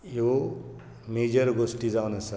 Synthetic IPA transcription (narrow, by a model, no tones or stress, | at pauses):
jo | med͡ʒʌɾɡosʈid͡zawnasʰa